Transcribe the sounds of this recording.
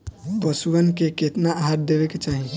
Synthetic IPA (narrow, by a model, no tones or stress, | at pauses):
bəsuʋənkeket̪naaɦat̪̚d̪ebeket͡ʃaɦi